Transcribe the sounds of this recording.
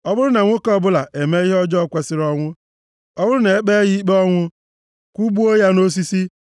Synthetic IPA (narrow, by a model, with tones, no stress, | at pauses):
ɔ˦bʊ˦ɾʊ˦na˨ŋʷo˦kɔ˦˨bʊ˦la˨e˨me˦i˦ɦɔ˦d͡ʒɔ˦˨kʷe˨sɪ˦ɾɔ˦ŋʷʊ˦ | ɔ˦bʊ˦ɾʊ˦ne˨e˦k͡pe˦ɣi˦i˦k͡pe˦ɔ˦ŋʷʊ˦ | kʷu˦bu˦o˦ja˦no˦s̬i˦si˦